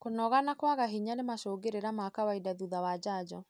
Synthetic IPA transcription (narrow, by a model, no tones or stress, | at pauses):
konɔɣanakwaɣaɦiɲanemaʃoːɡeɾeɾamakawaidaðuðawad͡ʒad͡ʒɔ